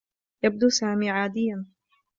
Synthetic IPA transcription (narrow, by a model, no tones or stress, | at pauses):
jab̚d̪uːsaːmiːʕaːd̪ɪjːan